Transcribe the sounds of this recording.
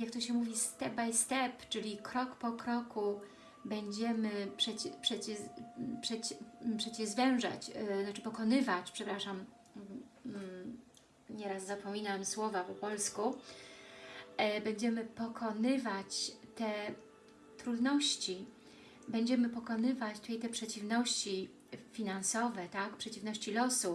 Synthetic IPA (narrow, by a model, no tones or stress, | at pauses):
jak̚t̪ɔɕɛmuvʲist̪ɛbajst̪ɛpt͡ʂɘlʲikɾɔkpɔkɾɔku | bɛɲd͡ʑɛmɘpʂɛt͡ɕpʂɛt͡ɕɛpʂɛt͡ɕpʂɛt͡ɕɛzvɛw̃ʐa̰t͡ɕnat͡ʂɘpɔkɔnɘvat͡ɕpʂɛpɾaʂam | ɲɛɾaszapɔmʲinamswɔvapɔpɔlsku | bɛɲd͡ʑɛmɘpɔkʰɔnɘvat͡ɕt̪ɛ | t̪ɾud̪nɔɕt͡ɕi | bɛɲd͡ʑɛmɘpɔkɔnɘvat͡ɕt̪ut̪ajt̪ɛpʂɛt͡ɕivnɔɕt͡ɕi | fʲinansɔvɛt̪akpʂɛt͡ɕivnɔɕt͡ɕilɔsu